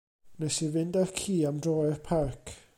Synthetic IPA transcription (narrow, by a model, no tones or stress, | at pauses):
nɛsivɪndarkʰiːamdrɔːɛrpʰarkʰ